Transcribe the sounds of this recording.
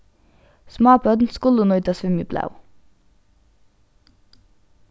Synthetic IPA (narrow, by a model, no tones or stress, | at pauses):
smɑːpœd̪nskʊlʊnɔit̪ɑsʋʏmibʰlɑ̰ʉ